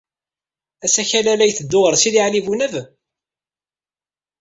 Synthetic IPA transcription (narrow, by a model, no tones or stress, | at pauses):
æsæçælælæjθəd̪ːʊʁəɾsiðiʕlivunæv